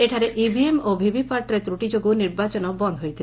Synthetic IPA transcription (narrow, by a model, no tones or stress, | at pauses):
eʈʰaɾeʔibʱiemobʱibipaɾʈɔɾet̪ɾuʈid͡ʒoɡuniɾbat͡ɕɔnɔbɔnd̪ʱɦojt̪ʰile